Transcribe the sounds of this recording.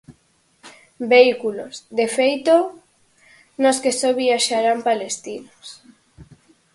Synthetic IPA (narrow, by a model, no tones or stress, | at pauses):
beikulozðefejt̪o | noskesoβiaʃaɾampalest̪inos